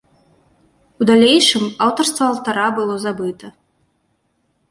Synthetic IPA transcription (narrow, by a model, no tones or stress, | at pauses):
ud̪alʲejʂɨmawt̪ɐrst̪vɐːlˠt̪aɾabɨlˠɔzabɨt̪ɐ